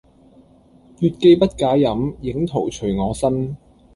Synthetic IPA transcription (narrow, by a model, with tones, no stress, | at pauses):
jyː˧t̚ke˧jpɐ˥t̚kaː˨˥jɐ˨˥mjɪ˨˥ŋt̪ʰo˨˩wt͡ʃʰɵ˨˩ɥŋɔː˨˧sɐ˥n